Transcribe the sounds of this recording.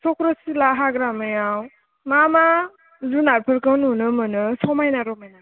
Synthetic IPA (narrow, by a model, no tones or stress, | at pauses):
sɔkɾɔsilaɦaɡɾamɯjaw | mama | zunaɾpʰəɾkɯnunɯmɯnɯsɔmajnaɾɔmajna